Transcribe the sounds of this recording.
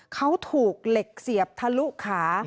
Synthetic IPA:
kʰa˦˥wt̪ʰuː˨˩k̚le˨˩k̚si˨˩əp̚t̪ʰa˧lu˦˥ʔkʰaː˩˦

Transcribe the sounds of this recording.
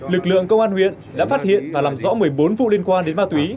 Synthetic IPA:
lɨ˨˩k̚lɨ̰˧˨əŋkə˧wŋ͡mʔaː˧nhwḭ˧˨ənɗa̰ː˧˥faː˦˥t̚hḭ˧˨ənvaː˨˩laː˨˩mzɔ̰˧˥mɨ˨˩əjɓo˨˦nvṵ˧˨li˧ənkwaː˧nɗe˨˦nmaː˧t̪wi˨˦

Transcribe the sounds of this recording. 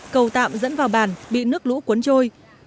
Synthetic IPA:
kə˨˩wt̪a̰ː˧˨mzə̰˧˥nvaː˨˩wɓaː˨˩nɓḭ˧˨nɨ˦˥ək̚lṵ˧˥ku˨˦nt͡ɕo˧j

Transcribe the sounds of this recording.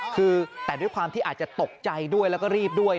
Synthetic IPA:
kʰɯː˧t̪ɛː˨˩du˥˩jkʰwaː˧mt̪ʰiː˥˩ʔaː˨˩t̪̚t͡ɕa˨˩t̪o˨˩k̚t͡ɕa˧jdu˥˩əjlɛ˦˥wkɔː˥˩ɾiː˥˩p̚du˥˩əj

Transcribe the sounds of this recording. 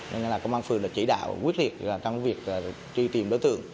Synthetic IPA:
ɲe˧n˧laː˨˩kə˧wŋ͡mʔaː˧nfɨ˨˩əŋləː˨˩t͡ɕḭ˧˩ɗa̰ː˧˨wkwi˦˥t̚li˨˩ət̚aː˨˩t͡ɕɔ˧wŋ͡mvi˨˩ək̚ː | t͡ɕwi˧t̪i˨˩mɗo̰˧˦jt̪ɨ̰˧˨əŋ

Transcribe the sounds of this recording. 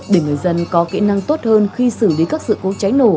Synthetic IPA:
ɗe˧˩ŋɨ˨˩əjzə˧nkɔ˨˦kḭ˧˥na˧ŋt̪o˦˥t̚həː˧nxi˧sɨ˧˩li˨˦kaː˦˥k̚sɨ̰˧˨ko˨˧˦t͡ɕa˨˦jno˧˩

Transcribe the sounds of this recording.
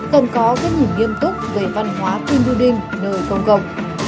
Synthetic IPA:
kə˨˩nkɔ˨˦kaː˨˦jɲi˨˩əmŋi˧əmt̪ʊ˦˥k͡p̚veː˧˩va˧nɦwaː˨˦t̪i˧nɗu˧ɗï˧ŋ̟nəː˨˩jkə˧wŋ͡mkə˧˩wŋ͡m̚

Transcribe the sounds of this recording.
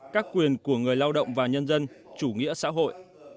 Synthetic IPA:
kaː˦˥kːwi˨˩ənku˧˩əŋɨ˨˩əjlaː˧wɗə̰˧˨wŋ͡mvaː˨˩ɲə˧nzə˧n | t͡ɕu˧˩ŋḭ˧˥əsa̰ː˧˥ɦo̰˧˨jʔ

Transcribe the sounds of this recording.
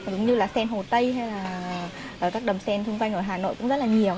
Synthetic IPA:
zʊ˨˦ŋ͡mɲɨ˧laː˨˩sɛ˧nɦo˨˩t̪ə˧jɦa˧jlaː˨˩ | əː˨˩kaː˦˥k̚ɗə˨˩msɛ˧nt̪ʰʊ˧ŋ͡mkwa˧jŋʔəː˧˩ɦaː˨˩no̰˧˨jkʊ̰˧˥ŋ͡mzə˦˥t̚laː˨˩ɲi˨˩əw

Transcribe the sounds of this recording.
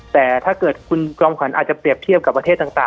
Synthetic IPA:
t̪ɛː˨˩t̪ʰaː˥˩kɤː˨˩t̪̚kʰu˧nkɾɔː˧mkʰa˩˦nʔaː˨˩t̪̚t͡ɕa˨˩pɾi˨˩əp̚t̪ʰi˥˩əp̚ka˨˩pːɾt̪ʰe˥˩t̪ːaː˨˩ŋt̪aː˨˩ŋ

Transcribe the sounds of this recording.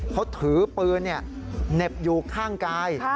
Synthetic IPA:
kʰa˦˥wt̪ʰɯː˩˦pɯː˧nːi˥˩ɐ | ne˨˩p̚juː˨˩kʰaː˥˩ŋkaː˧j

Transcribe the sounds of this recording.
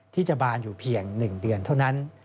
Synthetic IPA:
t̪ʰiː˥˩t͡ɕa˨˩baː˧njuː˨˩pʰi˧əŋnɯ˨˩ŋdɯ˧ənt̪ʰa˥˩wna˦˥n

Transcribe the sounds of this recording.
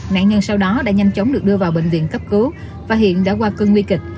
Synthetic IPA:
na̰ː˧˨nɲə˧nsa˧wɗɔ˨˦ɗa̰ː˧˥ɲa˧jmt͡ɕə˨˦wŋ͡mɗɨ˨˩ək̚ɗɨ˧əvaː˨˩wɓḛ˧˨ŋ̟vḭ˧˨ənkə˦˥p̚kɨ˨˦ | vaː˨˩hḭ˧˨ənɗa̰ː˧˥kwaː˧kəː˧nŋwi˧kï˨˩k̚

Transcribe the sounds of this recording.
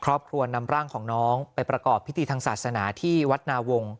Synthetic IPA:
kʰɾɔː˥˩p̚kʰɾu˧ɐna˧mɾaː˥˩ŋkʰɔː˩˦ŋnɔː˦˥ŋpa˧jpɾa˧kɔː˨˩pʰːi˦˥t̪ʰiː˧t̪ʰa˧ŋsaː˨˩t̪̚sa˧naː˩˦t̪ʰiː˥˩wa˦˥t̪̚naː˧wo˧ŋ

